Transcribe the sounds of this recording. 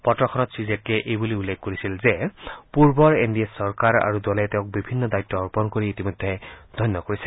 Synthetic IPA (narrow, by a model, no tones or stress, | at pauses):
pɔtɹɔkʰɔnɔtsizetlɛʔejbuliulːek̚koɹisilzɛpuɹbɔɹendiesɔɹkaɹa̰ɹudɔlɛteʊ̃k̚bibʱinːɔdajtːɔːɹpɔnkoɹiːtimɔd̪ʱːɛd̥̪ʱɔjnːɔkoɹisɛ̥